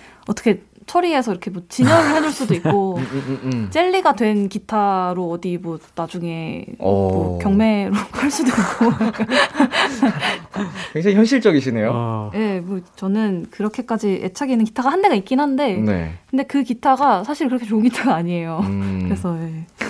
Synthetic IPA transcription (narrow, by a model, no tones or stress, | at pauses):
ʌt͈ʌkʰe̞ | t͡ɕʰʌɾie̞s̬ʰʌiɾʌkʰe̞mwʌt͡ɕiɲʌŋiɭhed͡ʑuɭs͈udoikk͈o | t͡ɕ͈e̞ʎːiɡadwe̞nkitʰaɾoʌdimwʌnad͡ʑuŋe̞ | ʌkjʌŋme̞ɾokʰaɭs͈udoik͈̚o | kwe̞ŋd͡ʑaŋiçjʌnɕ̬ʰiɭt͡ɕ͈ʌɡiɕ̬ʰine̞joje̞mʌt͡ɕʌnɯnkɯɾʌkʰe̞k͈ad͡ʑiʔet͡ɕʰaɡinɯnk̬i̥tʰaɡahande̞ɡaik͈inɦannde̞nḛkɯnde̞kɯkitʰaɡasʰaɕʰiɭkɯɾʌkʰet͡ɕoŋkitʰaɡaːɲiejokɯɾe̞sʰʌje̞